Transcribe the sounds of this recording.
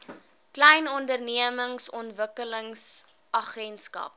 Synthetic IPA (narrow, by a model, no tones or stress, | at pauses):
klɛjnɔndərniəməŋsɔntvəkələŋs | ɐχɛnskɐ̰p̚